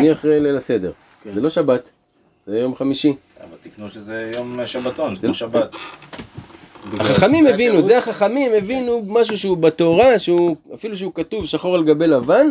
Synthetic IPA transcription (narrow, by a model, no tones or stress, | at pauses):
niaχʁelelase̞d̪e̞̰ʁ | zelo̞ʃabat̪ | zejo̞mχamiʃi | a̰va̰lt̪iknuʃezejomʃabat̪onzeloabat̪ | aχaχamimevinuzeaχaχamimevinumaʃ̬uʃeubat̪o̞ʁaʃeuafiluʃ̬eukat̪uvʃaχo̞ʁleɡabelavan